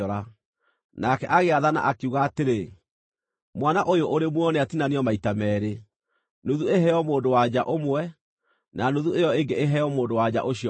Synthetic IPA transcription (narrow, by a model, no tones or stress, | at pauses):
ɔɾa | nakɛʔaɣeaðana̰ʔakeuɣaːteɾe | mwanaʔojoʔoɾemwɔneatinaneɔmaitamɛːɾe | noðueɦɛɔmoːndowad͡ʑaʔomwɛ | nanoðuejɔeŋɡeeɦɛɔmoːndowad͡ʑa̰ʔoɕi